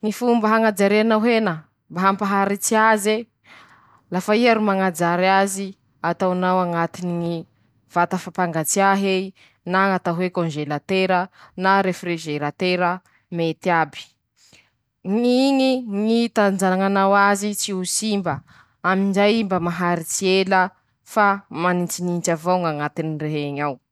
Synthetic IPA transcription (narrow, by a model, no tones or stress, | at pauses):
ŋifumbəɦaŋad͡ʒaɾeanaɦenə | mbaɦampaɦaɾit͡siaze | lafaiaɾumaŋad͡ʒaɾazi | at̪awnawaŋat̪iniŋi | v̥at̪afapaŋɡat͡siaɦei | naŋat̪aɦwekõnʒelat̪eɾənaɾefriʒeɾat̪eɾə | met̪iabi̥ | ŋiŋiŋit̪and͡zanaŋanawazit͡siusimbə | amind͡ʒajimbəmaɦaɾit͡sielə | famanit͡sinint͡ʃavoŋaŋat̪inireɦeɲaw